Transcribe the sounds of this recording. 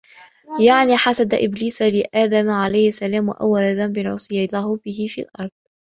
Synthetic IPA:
jaʕniːħasad̪aʔɪbliːsalɪʔaːd̪amʕalajhɪsːalaːmwa̰ʔa̰wːalaðambɪnʕʊ̰sˤɨjɑlˤːaːhʊbɪhɪfiːlʔɑɾˤd̪̥̚ˤ

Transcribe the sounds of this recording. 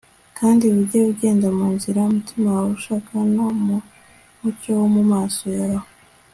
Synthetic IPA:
kʰaːndiβuɟeβuɟe̞ːndamuːnziɾaumutimawaβuʃaːkanomu | mucowomumaːsojaɾaho

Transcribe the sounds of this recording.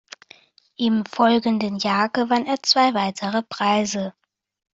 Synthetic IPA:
ʔɪmfɔlɡəndənjaːɡəvaneːɐt͡sv̥aɪvaɪtʰəʁəpʁ̥aɪzə

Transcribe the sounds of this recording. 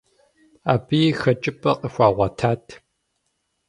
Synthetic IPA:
aːbiːxɐt͡ʃʼɪpʼɐqʼəxʷɑːʁʷɑtʰaːtʰ

